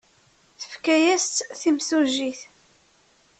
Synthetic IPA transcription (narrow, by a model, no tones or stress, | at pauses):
θə̥fkæjæst̪θimθuʒiθ